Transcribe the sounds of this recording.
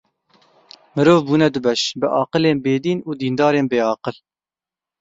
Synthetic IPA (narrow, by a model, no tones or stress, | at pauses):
mɨɾoːvbuːnɛd̪ʊbɛʃbɨʔɑːqəleːnbeːd̪iːnuːd̪iːnd̪ɑːɾeːnbeːɑːqəl